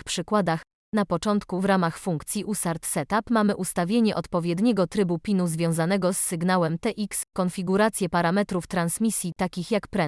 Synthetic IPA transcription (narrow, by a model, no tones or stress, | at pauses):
xpʂɘkwad̪ax | napɔt͡ʂɔnt̪kuvɾamaxfuŋkt̪sʲjiʔusaɾt̪sɛt̪apmamɘʔust̪avʲjeɲɛʔɔt̪pɔvʲjɛd̪ɲɛɡɔt̪ɾɘbupʲinuzvʲjɔ̃w̃zanɛɡɔsːɘɡnawɛmt̪ɛʔikskɔnfʲiɡuɾat̪sʲjɛpaɾamɛt̪ɾuft̪ɾansmʲisʲjit̪akʲixjakpɾɛ